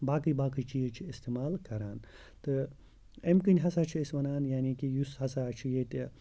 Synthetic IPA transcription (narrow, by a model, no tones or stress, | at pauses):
baːkɨbaːkɨt͡ʃiːzt͡ʃʰiist̪eːmaːlkɐɾaːn | t̪ɨ | emkɨnʲɦɐsat͡ʃʰiisʋɐnaːnjaːnikijusɦɐsat͡ʃʰijet̪ʲe